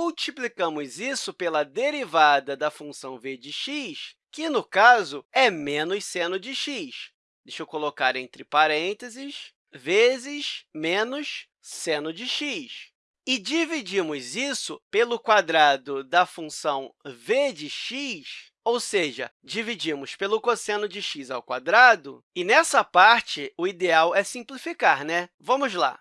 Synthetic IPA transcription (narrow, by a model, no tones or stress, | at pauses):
muwt͡ʃiplikɐ̃mʊzisʊpelɐd̪eɾivad̪ɐd̪ɐfũsɐ̃w̃ved͡ʒɪʃiʃ | kɪnʊkazʊɛmẽnʊʃsẽnʊd͡ʒɪʃiʃ | d̪̥ejʃowkolokaɾẽnt̪ɾɪpaɾẽnt̪ezɪʃ | vezɪʃmẽnʊʃ | sẽnʊd͡ʒɪʃiʃ | ɪd͡ʒivid͡ʒĩmʊzisʊ̰pelʊkwad̪ɾad̪ʊd̪ɐfũsɐ̃w̃ved͡ʒɪʃiʃ | owseʒɐ̰ | d͡ʒivid͡ʒimʊspelʊkosẽnʊd͡ʒɪʃizawkwa̰d̪ɾad̪ʊ | ɪnɛsɐpaɾt͡ʃɪʊid̪eawɛsĩplifikaɾnɛvɐ̃mʊzla̰